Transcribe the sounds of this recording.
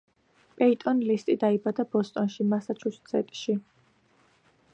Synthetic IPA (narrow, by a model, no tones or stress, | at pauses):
pʼɛit̪ʼɔnlist̪ʼid̪aibad̪abɔst̪ʼɔnʃimasat͡ʃʰust̪sʰɛt̪ʼʃi